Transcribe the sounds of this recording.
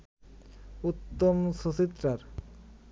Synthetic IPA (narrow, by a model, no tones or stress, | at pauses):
ut̪ːomʃot͡ɕit̪ːɾaɾ